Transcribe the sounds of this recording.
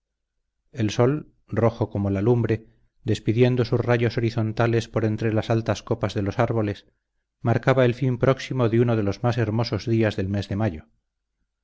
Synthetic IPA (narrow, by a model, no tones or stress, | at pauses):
e̞lso̞l | ro̞xoko̞mo̞lalumbɾe̞ | d̪e̞spiðje̞nd̪o̞susraʝoso̞ɾiθo̞nt̪ale̞spo̞ɾe̞nt̪ɾe̞lasalt̪asko̞pazðe̞lo̞saɾβo̞le̞s | maɾkaβae̞lfimpɾo̞ksimo̞ðeuno̞ðe̞lo̞zmase̞ɾmo̞so̞zðiazðe̞lme̞zðe̞maʝo̞